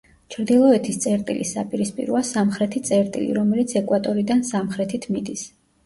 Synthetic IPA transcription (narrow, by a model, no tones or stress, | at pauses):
t͡ʃʰɾd̪ilˠɔɛt̪ʰist̪sʼɛɾt̪ʼḭlʔisa̰pʼiɾispʼḭɾɔasamχɾɛt̪ʰit̪sʼɛɾt̪ʼḭlḭɾɔmɛlit̪sʰɛkʼwat̪ʼɔɾid̪ansamχɾɛt̪ʰit̪ʰmid̪is